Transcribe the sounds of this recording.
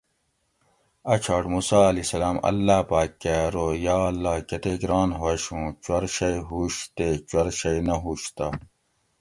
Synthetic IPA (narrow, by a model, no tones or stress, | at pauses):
ɐt͡ɕʰɐɽmuːsaːɐlisɐlaːmɐ̰lːaːpaːkːeɾoːjaːɐlːaːkɐt̪eɡɾaːnɦoɐɕũːt͡ɕwɐɾɕɐjɦuɕt̪et͡ɕuɐɾɕɐjnɐɦuːɕt̪a